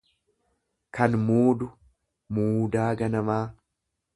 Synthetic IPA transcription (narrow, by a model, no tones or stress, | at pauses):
kɐnmuːd̪ʊ | muːd̪aːɡɐnɐmaː